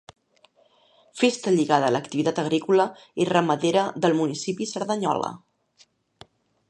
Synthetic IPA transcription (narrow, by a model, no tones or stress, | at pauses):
fest̪əʎiɣaðəːləkt̪iβit̪at̪əɣ̞ɾikulə | erəməðeɾəðəlˠmunisipisəɾðəɲɔ̰lə̰